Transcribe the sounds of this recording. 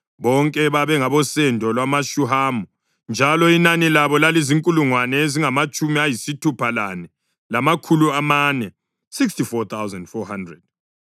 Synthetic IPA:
βɔŋkʼɛβaβɛŋaβɔsɛndʱɔlwamaʃuɦamɔ | nd͡ʒʱalɔinanilaβɔlaleziŋkʼuluŋwanɛeziŋamat͡ʃʼumiajisitʰupʰalanɛ | lamakʰuluamanɛ | sikstifɔt̪ʰawzɛndfɔhandrɛd̥̚

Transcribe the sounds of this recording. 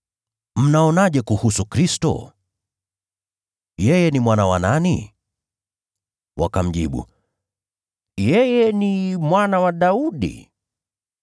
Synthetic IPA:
m̩naɔnaʄɛkuhusukɾistɔ̰ | jɛjɛnimwanawanani | wa̰kam̩ʄḭɓṵ | jɛjɛnimwanawaɗauɗḭ

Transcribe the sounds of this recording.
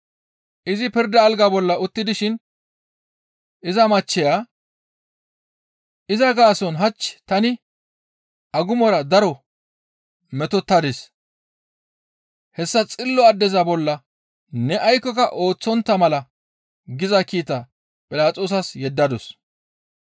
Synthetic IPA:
ʔɪzɪpɪɾd̪ɐːlɡɐbɔlːɐʊt̪ːɪd̪ɪʃɪn | ʔɪzɐmɐt͡ʃːɛjaː | ʔɪzɐɡaːsɔnɦɐt͡ʃːt̪ɐnɪ | ʔɐɡʊmɔɾɐd̪ɐɾɔ | mɛt̪ɔt̪ːɐd̪ɪs | hɛsːɐt͡sʼɪlːɔɐd̪ːɛzɐbɔlːɐ | nɛʔɐjkːɔkɐʔo̞ːt͡sːɔnt̪ːɐmɐlɐ | ɡɪzɐkiːt̪ɐ | pʼɪlaːt͡sʼoːsɐsjɛd̪ːɐd̪ɔs

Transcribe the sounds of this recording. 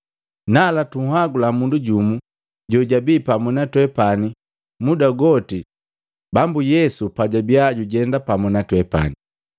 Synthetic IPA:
nalatuhaɡulamunduɟumu | ɟɔɟabiːpamunatwɛpani | mudaɡɔti | bambujɛsupaɟabjaɟuɟɛndapamunatwɛpa̰ni

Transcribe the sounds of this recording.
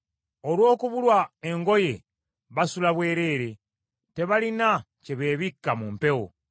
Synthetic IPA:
olwo̞ːkuβulwaeŋɡo̞je̞ | βasulaβwe̞ːɾe̞ːɾe̞ | te̞βalina | ceβe̞ːβikːamuːmpe̞wo̰

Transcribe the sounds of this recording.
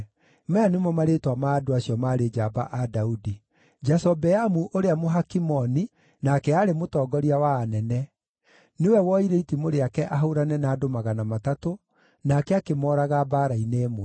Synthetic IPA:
mɛanemɔmaɾetwamaːdoaɕiɔmaːɾed͡ʒaba̰ʔadaudi | d͡ʒasɔbɛamuʔoɾeamoɦakimɔni | nakɛaɾemotɔːɡɔɾiawaːnɛnɛ | newɛwɔiɾeitimoɾeakɛʔaɦaɾanɛnaːdomaɣanamatato | nakɛakemɔːɾaɣabaːɾaineːmoɛ

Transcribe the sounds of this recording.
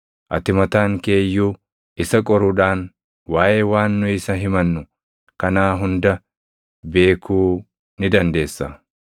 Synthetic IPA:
ʔɐt̪ɪmɐt̪aːŋke̞ːjːuː | ʔɪsɐkʼɔɾʊᶑaːn | waːʔeːwaːnːʊɪsɐɦɪmɐnːʊ | kɐnaːɦʊnd̪ɐ | be̞ːkʰuː | nɪd̪ɐnd̪e̞ːsːɐ

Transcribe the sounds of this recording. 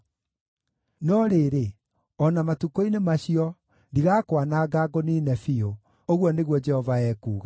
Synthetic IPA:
nɔɾeːɾe | ɔnamatukoinemaɕiɔ | ndiɣaːkwanaːɡaɡɔninɛfio | oɣwɔneɣwɔd͡ʒɛhɔvaɛːkuːɣa

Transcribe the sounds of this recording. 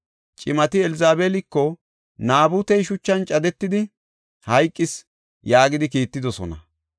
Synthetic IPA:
t͡ʃʼɪmɐt̪ɪɛlɪzaːbeːlɪkːɔ | naːbʊt̪ɛjʃʊt͡ʃːɐnt͡ʃʼɐd̪ɛt̪ːɪd̪ɪ | hɐjkʼːɪs | jaːɡɪd̪ɪkiːt̪ːɪd̪ɔsɔ̰nɐ̰

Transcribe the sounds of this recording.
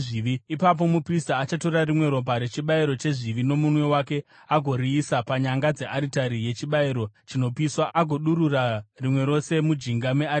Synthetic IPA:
ʐiʋiipap̬o̞mupristaːt͡ʃato̞rɾarimwe̞ɾo̞bʱaɾe̞t͡ʃiɓaiɾo̞t͡ʃe̞ʐiʋino̞munwe̞wake̞ | aɡʱo̞ɾiːsapaɲaŋɡad͡ze̞ʔaɾitaɾije̞t͡ʃiɓaiɾo̞t͡ʃino̞piswaaɡʱo̞ɗuɾurarimwe̞ɾo̞se̞mud͡ʒiŋɡamea

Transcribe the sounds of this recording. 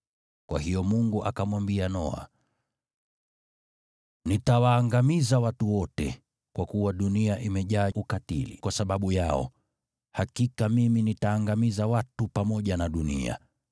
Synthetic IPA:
kwa̰hijɔmuŋɡuʔakamwambianɔ̰a̰ | nitawaːŋɡamizawatuwɔtɛ̰ | kwakuwaɗuniaʔimɛʄaːʔukatḭlḭkwasaɓaɓujaɔ̰ | hakikamiminitaːŋɡamizawatupamɔʄanaɗunḭa̰

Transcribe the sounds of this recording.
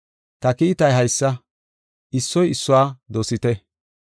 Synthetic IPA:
t̪ɐkɪɪt̪ɐjɦɐjsːɐ | ɪsːɔjɪsːʊwaːd̪oːsɪt̪ɛ

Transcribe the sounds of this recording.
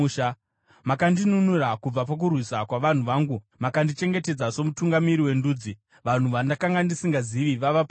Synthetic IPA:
makandinunurakub͡vap̬ak̬urwisakwaʋan̤uʋaːŋɡu | makandit͡ʃe̞ŋɡe̞te̞d͡zaso̞mutuŋɡamiɾiwe̞nduːd͡zi | ʋan̤uʋandakaŋɡandisiŋɡaziʋiʋaʋapa

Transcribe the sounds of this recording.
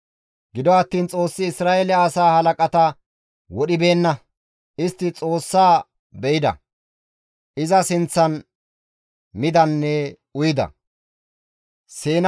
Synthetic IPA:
ɡɪd̪ɔɐt̪ːiːnt͡sʼo̞ːsːɪːsɾaːʔelɪaːsaːhɐlɐkʼɐt̪ɐ | wɔɗɪbe̞ːnːɐ | ɪst̪ːɪt͡sʼo̞ːsːaː | bɛɪd̪ɐ̰ | ɪzɐsɪnt͡sːɐn | mɪd̪ɐnːɛ | ʊjɪd̪ɐ̰ | seːn

